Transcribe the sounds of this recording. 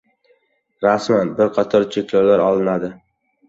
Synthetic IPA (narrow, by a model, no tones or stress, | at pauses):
ɾasmanbɪɾqʰɑt̪ʰɒɾt͡ʃʰekʲloɾlaɾɒlˠɪnad̪ɪ